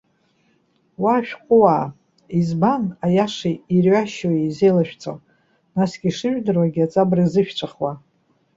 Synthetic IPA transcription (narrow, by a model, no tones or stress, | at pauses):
waːʃᶣqʷʼʊwaː | izbanajaʂiirɥaʃojezejlaʃᶣt͡sʼo̰w | nasɡ̥ʲiʂɨʒᶣdɨrwaɡʲat͡sʼabrizɨʃᶣt͡ʃʷʰaχwa